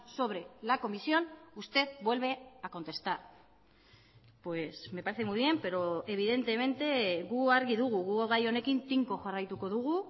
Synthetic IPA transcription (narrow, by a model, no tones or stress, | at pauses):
so̞β̞ɾe̞lako̞misio̞nust̪e̞ðbwe̞lβe̞ako̞nt̪e̞st̪aɾ | pwe̞sme̞paɾe̞θemujβje̞mpe̞ɾo̞e̞β̞iðe̞nt̪e̞me̞nt̪e̞ɣuaɾɣiðuɣuɣuoɣajo̞ne̞kint̪iŋko̞xarajt̪uko̞ðuɣ̞u